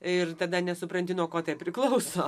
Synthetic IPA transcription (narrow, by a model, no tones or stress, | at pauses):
ɪrt̪ɐd̪ɐnʲɛsʊpɾɐnʲt̪ʲɪnoːkoːt̪ɐpʲɾʲɪklˠɐʊsoː